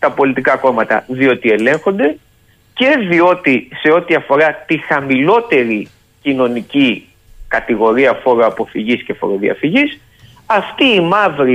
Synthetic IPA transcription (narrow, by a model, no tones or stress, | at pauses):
t̪ɐpo̞lit̪ikɐko̞mɐt̪ɐ̰ðio̞t̪ie̞le̞ŋxo̞nd̪e̞ | ce̞ðio̞t̪ise̞o̞t̪iɐfo̞ɾɐt̪ixɐmilo̞t̪e̞ɾi | cino̞nici | kɐt̪iɣo̞ɾiɐfo̞ɾoɐpo̞fiʝisce̞fo̞̰ɾoðiɐ̰fiʝis | ɐft̪iːmɐvɾi